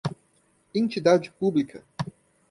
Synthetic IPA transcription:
ẽnt͡ʃid̪ad͡ʒɪpublikʰɐ

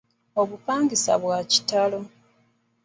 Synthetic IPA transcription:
oβupaːŋɡisa̰βwaci̥talo̞

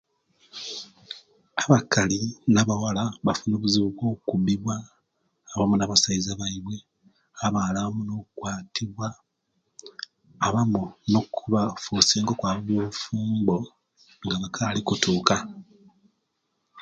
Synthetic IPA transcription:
aβakalinaβawalaβafunoːβuziβukwo̞ːkukubiβwaː | βamunaβasaizaβaiβwe̞ | aβaːlaβamuno̞kwaːtʰiβwa | βamuno̞kʰuβafuseːŋɡokwaːβaβwoufuːmbo̞ | ŋɡaβakʰalikutuːka

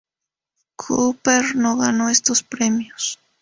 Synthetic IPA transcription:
kʰupeɾnoɣanoest̪ospɾemjos

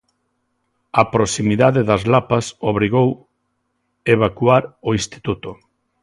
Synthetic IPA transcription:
ɐpɾosimiðaðeðɐzlapɐsoβ̞ɾiɣow | eβ̞akwaɾoist̪i̥t̪ut̪o

